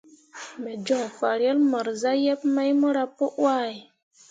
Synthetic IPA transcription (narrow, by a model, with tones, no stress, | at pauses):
mɛ˨d͡ʒɔ˨fa˨ɾje˦lmɔ˨ɾza˦jɛ˦pma˦jmɔ˦ɾa˦po˦ʔwa˦˨i˨